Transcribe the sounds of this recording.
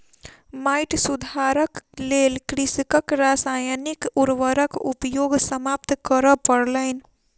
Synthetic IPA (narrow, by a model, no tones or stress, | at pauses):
majʈsud̪ʱaɾəklelkɾiskəkɾasajnikuɾʋəɾəkupjoɡsəmap̚t̪kəɾəpəɽləɪn